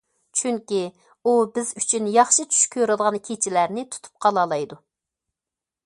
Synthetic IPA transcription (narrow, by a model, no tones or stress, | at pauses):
t͡ʃʰyŋkʲi | ubɪzyt͡ʃʰynjɑχʃɨt͡ʃʰy̥ʃkʲʰːøɾɨd̪əʁɑnkʲʰet͡ʃʰilæɾnɪt̪ʰu̥t̪ʰu̥p̚qʰɑlˠɑlˠɑjd̪u